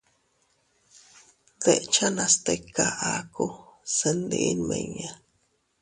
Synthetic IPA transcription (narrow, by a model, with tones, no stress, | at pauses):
ðe˦ʔt͡ʃa˦nã˧st̪e˧ka˦ʔa˦ku˦se˧nd̪ḭʔnmḛ̃˧ɲa˦